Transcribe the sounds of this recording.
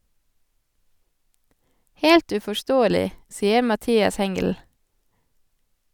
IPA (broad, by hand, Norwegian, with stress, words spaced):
ˈheːlt ʉfɔˈʃtoːəlɪ ˈsiːə mɑˈtiːɑs ˈhɛŋɡəl